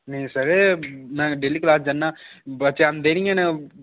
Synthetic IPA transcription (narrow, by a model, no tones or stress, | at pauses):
nesɐɾenãːɖelːiklaːs̬d͡ʒɐnːãː | bɐt͡ʃːand̪eniŋenɐ